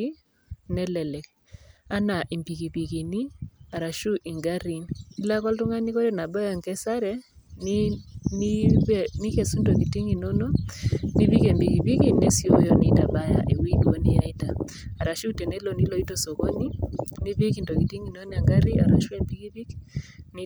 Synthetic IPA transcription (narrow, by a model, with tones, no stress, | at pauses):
i˦ | nɛ˦lɛ˨lɛ˨k | a˦na˨ʔi˨mbi˨ki˨pi˨ki˨ni˦a˨ɾa˨ʃu˦ʔi˨ŋɡa˦ɾi˨ni˦la˦kɔ˦ltʊ˦ŋa˦ni˦ko˦ɾɛ˦na˨bɔ˦jɔ˨ŋkɛ˦sa˦ɾɛ˦ | ni˦n˦ni˦ke˨su˦ndo˨ki˨ti˦ŋi˨no˦no˦ni˦bi˦ke˨mbi˨ki˨pi˦ki˦ne˦si˦o˦jɔ˦ni˦ta˨ba˦ja̰˦ʔe˨wi˦dwo˦ni˦ja˨i˦taː˨ | ɾa˨ʃu˦tɛ˨ne˦lo˨ni˦lo˨i˦to˦so˨ko˦ni˦ni˦bi˦ki˨ndo˨ki˨ti˦ŋi˨no˦n˦a˨ŋɡa˦ɾi˦a̰˨ɾa˨ʃu˦e˦mbi˦ki˦bi˦kn˦